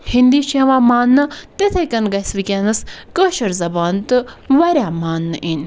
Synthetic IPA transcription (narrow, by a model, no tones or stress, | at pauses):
hind̪iːʃeːʋaːmaːnːɐt̪et̪ʰeːkɐnɡɐsʋikʲenɐskəːʃɐɾzɐbaːnt̪ɨʋɐɾʲaːmaːnːɨʔin